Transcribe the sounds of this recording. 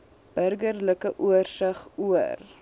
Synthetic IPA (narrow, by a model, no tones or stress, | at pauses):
b̥ərɡərləkəʔuərsɐχuər